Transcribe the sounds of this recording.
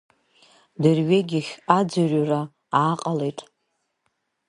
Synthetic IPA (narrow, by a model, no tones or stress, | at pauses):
dɨrɥeɡʲɪχʲad͡zɨrra | aːqʼalejtʼ